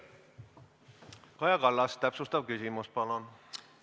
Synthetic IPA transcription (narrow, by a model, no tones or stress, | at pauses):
kɑjɑkɑlːɑst̪æpsust̪ɑvkysimuspɑlon